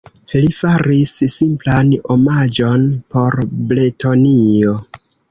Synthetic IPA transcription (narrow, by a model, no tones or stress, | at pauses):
lifaɾissimplanomad͡ʒo̞npo̞ɾbletonio̞